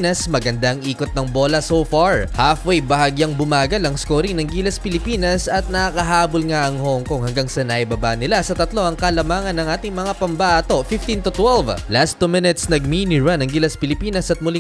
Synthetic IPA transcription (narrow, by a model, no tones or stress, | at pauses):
nɐsmɐɡɐnd̪aɐŋʔiːkot̪̚nɐŋbo̞ːlɐsowfaɹhafwɛjbɐhɐɡjaŋbʊmaːɡɐlɐŋskoːɾɪŋnɐŋɡiːlɐspɪlɪpiːnɐsɐt̪̚nɐkɐɦaːbolŋaʔɐŋhoŋkoŋhɐŋɡaŋsɐnɐʔibɐbaʔnɪlasɐt̪ɐt̪lo̞ʔɐŋkɐlɐmaːŋɐnːɐŋʔaːt̪ɪŋmɐŋapɐmbɐʔaːt̪o̞fɪft̪int̪ʊt̪wɛlvlast̪ːumɪnɛt̪snɐɡ̚minɪɹɐnɐŋɡilɐspɪlɪpiːnɐsɐt̪̚mʊlɪ